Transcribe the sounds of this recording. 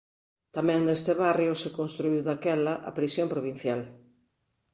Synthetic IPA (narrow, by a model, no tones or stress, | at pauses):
t̪amɛ̃ŋd̪est̪ɪβarjosekonst̪ɾuiwðakɛlɐʔa̰pɾisjompɾoβin̟θjal